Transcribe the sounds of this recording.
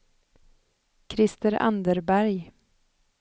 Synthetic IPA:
kʰɾɪst̪əɾa̰nd̪əɾbæɾj

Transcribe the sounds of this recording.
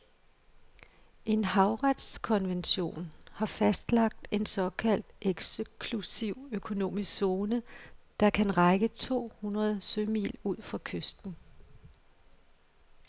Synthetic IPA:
ʔe̝nhɑ̈ʊʁad̥skʰɒ̽nʋenɕo̝̰ːnhɑ̈fæsd̥lɑ̈ɡ̥̚d̥e̝nsɒ̽kʰæl̰d̥ʔeɡ̥skʰlusiʊ̰økʰo̝no̝̰ːmisso̝ːnəd̥ɑ̈kʰænʁɑɪɡ̥ət͡sʰo̝̰ːhunʁɐð̞ˠsømḭːluð̰ˠfʁɑ̈kʰøsd̥n̩

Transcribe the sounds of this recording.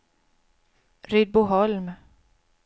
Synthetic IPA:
ɾʏd̪̚bʊɦɔlm

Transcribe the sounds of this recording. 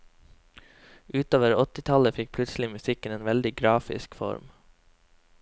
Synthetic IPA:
ʔʉːt̪oːʋəɾɔt̪ɪt̪ʰɑləfɪk̚pʰlʉt̪sl̩ɪmʉsɪkəneːnʋɛld̪ɪɡɾɑːfɪ̰skfɔ̰ɾm

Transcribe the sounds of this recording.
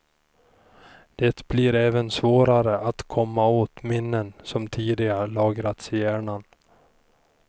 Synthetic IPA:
d̪̥ɛt̪b̥liɾɛːvənsvoːɾaɾəʔat̪kʰɔmːaoːt̪mɪnːənsɔmt̪ʰiːd̪ɪɡaɾlɑːɡɾat̪sɪjæːɳan

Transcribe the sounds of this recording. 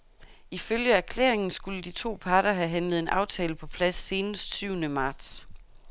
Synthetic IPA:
iføljəæɐkʰlḛːɐeŋn̩sɡ̥uləd̥it͡sʰo̝̰ːpʰɑ̈ːɾ̥ɐɦæɦænləð̞̩ˠe̝nʔɑ̈ʊt͡sʰɛːləpʰɒ̽pʰlæsːe̝ːnəsd̥syʊnəmɑ̈ːd̥s

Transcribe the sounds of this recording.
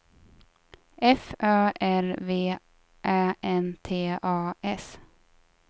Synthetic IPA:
ʔɛfœːʔæɾveː | ʔæːɛnt̪ʰeːɑːʔɛs

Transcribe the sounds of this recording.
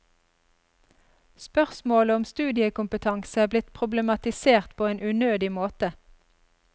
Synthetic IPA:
spœʁsmoːləɔmst̪ʉːd̪ɪəkʊmpət̪ʰɑŋsəæːblɪt̪pʰʁʊbləmɑt̪ɪseːʁt̪pʰoːeːnʔʉnøːd̪ɪmoːt̪ə

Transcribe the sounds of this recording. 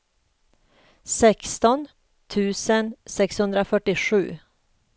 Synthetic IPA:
sɛkst̪ɔn | t̪ʰʉːsənsɛkshɵnd̪ɾafœʈːɪʂʉ̟̰ː

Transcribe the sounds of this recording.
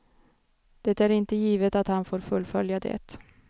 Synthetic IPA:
d̪̥ɛt̪æɾɪnt̪əjiːvət̪at̪hanfoːɾfɵlːfœljad̪ɛ̰t̪

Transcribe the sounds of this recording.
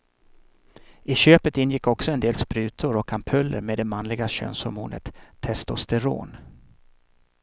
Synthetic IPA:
ɪɕøːpət̪ɪnjɪkːɔksɔɛnd̪eːlspɾʉ̟ːt̪ʰʊɾɔkʰampʰœlːə̰ɾmeːd̪ɛmanlɪɡaɕø̰ːnshɔɾmuːnʔə̰t̪ʰːɛst̪ɔst̪ɛɾo̰ːn

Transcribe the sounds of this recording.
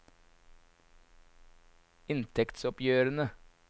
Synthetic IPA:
ɪnt̪ʰɛkt̪sɔpjøːɾənə

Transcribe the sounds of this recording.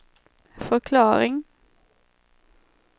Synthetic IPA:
fɔʁkʰlɑːʁɪŋ

